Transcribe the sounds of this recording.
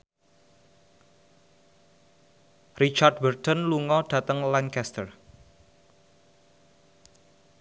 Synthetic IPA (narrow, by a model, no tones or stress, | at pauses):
rit͡ʃardbərt̪ənluŋɔɖ̥ä̤t̪əŋlankɛst̪ər